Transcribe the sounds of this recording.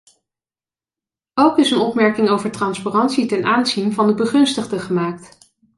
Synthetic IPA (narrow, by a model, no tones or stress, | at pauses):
owkɪsənɔpmɛɹkɪŋowvəɹtrɑnspaːrɑntsitɛnʔaːnzinvɑndəbəχɵnstəχdəχəmaːk̚t